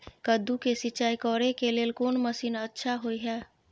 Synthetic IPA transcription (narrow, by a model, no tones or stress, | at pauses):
kəd̪ːukesɪt͡ʃaːikɔːɾekeleːlkoːnməsiːnətːʃʰaɦoiɦɛː